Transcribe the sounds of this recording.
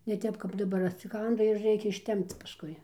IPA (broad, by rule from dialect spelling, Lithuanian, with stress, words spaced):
nʲɛ ˈtʲɛp kɐp dɐˈbɐr ɐtʲsʲɪˈkɐndɐ ɪr ˈrʲɛɪkʲɛ ɪʃʲˈtʲɛmpt͡s pɐsˈkʊɪ